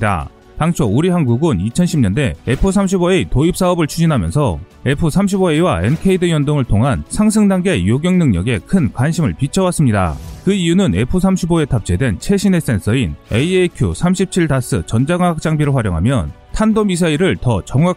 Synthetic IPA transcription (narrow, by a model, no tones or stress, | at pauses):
da̰ | taŋt͡ɕʰouɾiɦanɡuɡunit͡ɕʰʌnɕʰimɲʌnde̞e̞pʰɯs̬ʰamɕ̬ʰiboeitoip̚s͈aʌbɯɭt͡ɕʰud͡ʑinɦamjʌ̰nsʰʌe̞pʰɯsʰamɕ̬ʰiboe̞iwae̞nkʰeidɯjʌndoŋɯɭtʰoŋɦansʰaŋs̬ʰɯŋdaŋɡe̞joɡjʌŋnɯŋɲʌɡe̞kʰɯnkwanɕʰimɯɭpit͡ɕʰʌwas͈ɯmɲida̰kɯijunɯne̞pʰɯsʰamɕʰiboe̞tʰap̚t͡ɕ͈e̞dwe̞nt͡ɕʰe̞ɕʰine̞s͈e̞nsʰʌinḛiekʰjo̰sʰamɕʰip̚t͡ɕʰiɭdas͈ɯ̰t͡ɕʌnd͡ʑaɡaŋɦak̚t͡ɕ͈aŋbiɾoɸwaɾjoŋɦa̰mjʌntʰandomisʰaiɾɯɭtʌt͡ɕʌŋwa